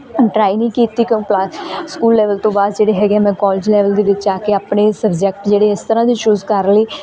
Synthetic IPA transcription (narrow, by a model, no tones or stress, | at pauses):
ʈɾaːinĩːkiːt̪ːiːkjõːkplaskuːlːɛːʋəlt̪õːbaːd̪d͡ʒeːɽeɦɛːɡjamɛ̃ːkɔːlɪːd͡ʒlɛːʋəld̪eːʋɪt͡ʃaːkeapnesəbd͡ʒɛk̚ʈd͡ʒeːɽeɪst̪əɾãːd̪iːt͡ʃuːzkəɾleː